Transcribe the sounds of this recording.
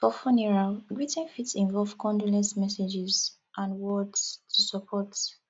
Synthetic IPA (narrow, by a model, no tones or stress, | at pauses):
pɔfɔniɹaɡɹitɛ̃nfitsĩɱvɔlvkʰɔ̃ndulɛ̃nsmɛsɛd͡ʒiz | ʔãnwɔdtʰusɔpʰɔt